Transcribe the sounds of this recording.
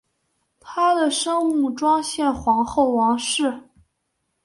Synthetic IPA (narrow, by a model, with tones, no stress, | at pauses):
t̪ʰa˥d̪ə˨ʂɤ˥ŋu˥˩ʈ͡ʂwɑ˥ŋɕjɛ˥˩nxwɑ˧˥ŋxo˥˩ʊwɑ˧˥ŋʂɻ̩˥˩